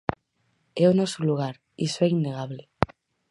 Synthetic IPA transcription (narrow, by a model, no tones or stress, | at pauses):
ɛonɔsoluɣ̞aɾ | isoɛinːeɣ̞aβle